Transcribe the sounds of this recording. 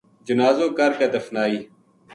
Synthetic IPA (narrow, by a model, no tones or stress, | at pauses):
d͡ʒʊnaːzõːkəɾkeːd̪əfnaːiː